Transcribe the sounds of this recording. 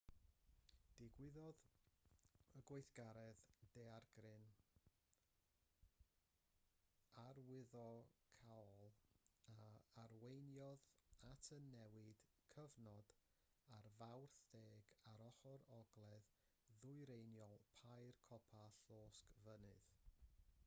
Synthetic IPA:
d̥ɪɡwɪðɔð | əɡwejθɡ̥aɾɛðd̥ɛarɡrɨn | arwɪðɔkʰalˠaarwejnjɔðatʰənːɛwɨd̥ | kʰəvnɔd | arvawrθdeːɡaɾɔχɔɾɔɡlˠɛð | ðʊɨɾejnjɔlˠpʰajrkʰɔpʰaɬoːskvənɨð̥

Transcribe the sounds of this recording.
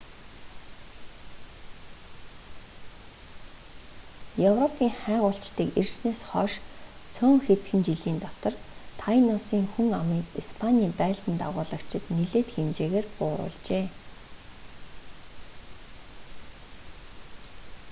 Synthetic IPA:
jɵwrɔpʰiːŋχæːʁʊːɬt͡ɕt̪iːkersneːsχɔʃt͡sʰɵːŋxet̪ɡɘ̆nt͡ɕiɮiːnt̪ɔt̪ɞ̆rt̪ʰajnɔsiːŋxuŋamiːkispʰanʲiːmpæːɮt̪ə̆nt̪a̰ʁʊːɮə̆kt͡ɕʰɪ̆t̪niɮeːt̪xemt͡ɕeːɣeːrpʊːɾʊ̰ːɮt͡ɕeː

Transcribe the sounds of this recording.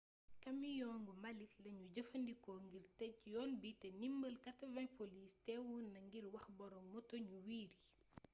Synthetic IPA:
kɐmijɔːŋɡumbɐlitlɐɲuɟɐfɐndikɔŋɡirtɛc̚jɔːnbitɛnimbɐlkɐtɐvɐpʰolistɛːwuːnːɐŋɡiɾwɐxbɔɾɔŋmɔtɔɲuwiːɾi

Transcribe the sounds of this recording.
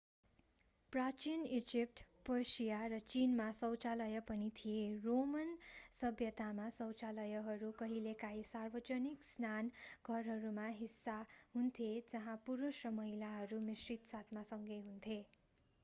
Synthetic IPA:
prat͡ʃinid͡zip̚ʈpʌsijaɾʌt͡sinmasʌwt͡salʌjʌpʌnit̪ʰijeromʌnsʌbjʌt̪amasʌwt͡salʌjʌɦʌɾukʌɦilekajsarbʌt͡sʌniksnanɡʱʌrɦʌɾumaɦisːaɦunt̪ʰjed͡zʌɦãpuɾusrʌmʌɦilaɦʌɾumisrit̪sat̪ʰmasʌŋɡʌjɦunt̪ʰje

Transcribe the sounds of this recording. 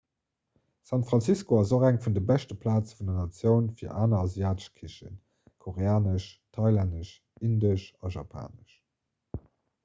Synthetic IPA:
sɑntfʁɑnt͡siskoɑzoχæŋfundəbæʃtəpʰlaːt͡sfundɐnɑt͡sjəʊnfiːɐʔaːnɐɑziaːtə̥ʃkʰiʃə̰n | kʰoʁeaːnəʃtʰɑɪlandəʃ | indəʃɑʒɑ̰pʰa̰ːnəʃ

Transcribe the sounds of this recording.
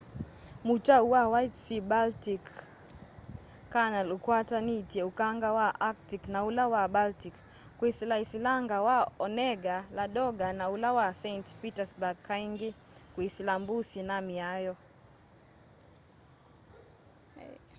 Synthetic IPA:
mutauwawajtsibaltik | analukwatanitiɛukaŋɡawaʔaktiknaulawabaltik | kwisilaisilaŋɡawaɔnɛɡalaɗɔɡanaulawasɛntpitasbakʰːaiŋɡikwisilambusinamiajɔ

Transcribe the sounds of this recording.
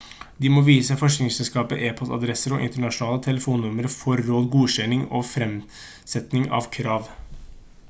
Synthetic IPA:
d̪ɪmɔːʋiːsəfɔʂknɪŋsɛlskɑːpəʔeːpʰɔst̪ɑ̰d̪ɾɛsəɾɔʔɪ̰nt̪əɳɑʂʊnɑːlət̪ʰɛləfuːnːʊməɾfɔɾːoːd̪ɡuːɕɛnɪŋɔfɾɛm | sɛt̪nɪŋɑ̰ʋkʰɾɑːʋ

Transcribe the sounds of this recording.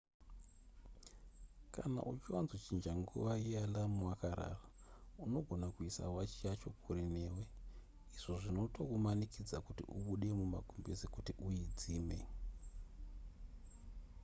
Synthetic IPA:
kana̰ʔut͡ʃiwanzot͡ʃind͡ʒaŋɡṵʋaialamwakaɾa̰rauno̞ɡʱo̞nakuisa̰wat͡ʃijat͡ʃo̞kʰuɾineːwe | iʐ̥oʐino̞tokumanikid͡zakutḭʔuɓuɗe̞muma̰ɡʱumbezikutiʔujid͡ziːme

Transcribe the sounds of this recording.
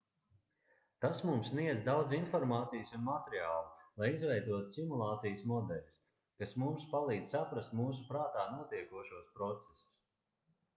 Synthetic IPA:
t̪asmumsːniɛzd̪awd̪zinfɔɾmaːt̪sijəsunmat̪eɾiaːlˠulˠajizvɛjd̪uɔt̪u̥simulˠaːt̪sijəsmɔd̪ɛlʲs | kasmumspalˠiːd̪z̥ʲsapɾast̪muːsupɾaːt̪aːnuɔt̪iɛkuɔʃuɔspɾɔt̪sesu̥s

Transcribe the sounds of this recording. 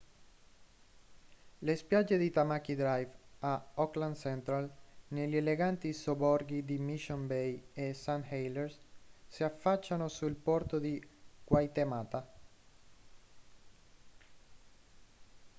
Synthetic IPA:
lespjad͡ʒːed̪it̪amak̟id̪ɾajvaɔkland̪sɛnt̪ɾalneʎːeleɡant̪isobɔɾɡid̪imiʃonbejesanhejleɾssiafːat͡ʃːanosulpɔɾt̪od̪ikwajt̪emaːt̪a

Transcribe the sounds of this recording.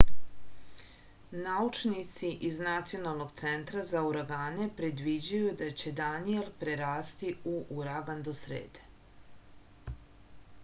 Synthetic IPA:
naut͡ʃnit̪siʔiznat̪sijo̞nalˠno̞ɡt̪sent̪ɾazauɾaɡaːne̞pɾe̞d̪ʋid͡ʑujud̪at͡ɕe̞d̪anielpɾeɾaːst̪iuʔuɾaɡand̪osɾḛːd̪e̥

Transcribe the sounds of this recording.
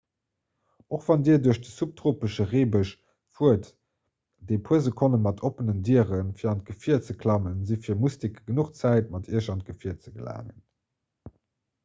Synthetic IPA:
oχv̥ɑndiːɐduɐɕdəsup̚tʁoːpəʃəʁeːbəʃ | fuət | d̥eːpʰuəzəkʰonənmɑtʰopənəndiəʁənfiːɐɑnt̚ɡ̥əfiɐt͡səkʰlɑmənzifiːɐmustikəɡənuχt͡sæɪt̚mɑtḭːəʃɑnt̚ɡ̥əfiɐt͡səɡəla̰ːŋən

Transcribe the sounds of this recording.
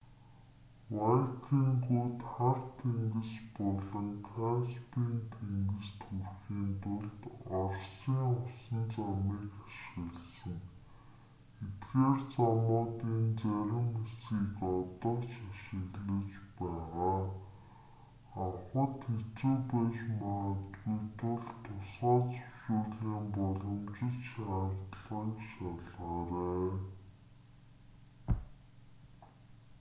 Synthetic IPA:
wajk̪ʰiːŋɡuːt̪χart̪ʰeŋɡɘ̆spɔɮɞ̆ŋkʰaspiːnt̪ʰeŋɡɘ̆st̪xurxiːnt̪ʰʊɮt̪ɔrsiːŋʊsə̆nt͡samiːkḁʃə̆ɣɮsə̆ŋ | et̪ɡeːrt͡sɔmʊːt̪iːnt͡sæɾʲɪ̆mesiːkɔt̪ɔːt͡ɕaʃɪ̆ɣɮə̆t͡ɕpæːʁaː | aχə̆t̪xet͡suːpæʃmaʁət̪ɡujt̪ʰʊɮt̪ʰʊsɢɔːt͡sʊ̥ʃʊːɮiːmpɔɮɞ̆mt͡ɕɪ̆ɮt͡ɕḁt̪ɮʁiːkʃaɮʁaːɾeː

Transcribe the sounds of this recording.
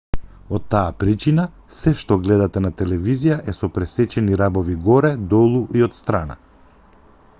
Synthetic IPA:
ot̪ːaapɾit͡ʃina | sɛʃt̪ɔɡlɛd̪at̪ɛnat̪ɛlɛvizijaʔɛsɔpɾɛsɛt͡ʃɛniɾabɔviɡɔɾɛd̪ɔlˠuʔiot̪st̪ɾana̰

